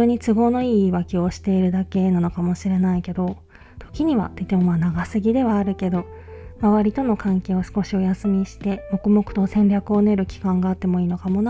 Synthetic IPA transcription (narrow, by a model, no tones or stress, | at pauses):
oːɲ̟it͡sɨɡo̞ːno̞iːβakʲio̞ɕi̥t̪e̞iɾɯ̟d̪ake̞nano̞kamo̞ɕiɾe̞naike̞d̪o̞ | t̪ʰo̞̥kʲiɲ̟iβa̰t̪eit̪emomanaɡasɨɡʲid̪e̞βaːɾɯ̟ke̞d̪o̞ | maβaɾʲit̪o̞no̞kãŋke̞ːo̞sɨ̥ko̞ɕio̞jasɨmʲiɕi̥t̪e̞mo̞kɯ̟mo̞kɯ̟̥t̪o̞sẽ̞nɾʲakɯ̟o̞ne̞ɾɯ̟kʲi̥kãŋɡaːt̪ːe̞mo̞iːno̞kamo̞n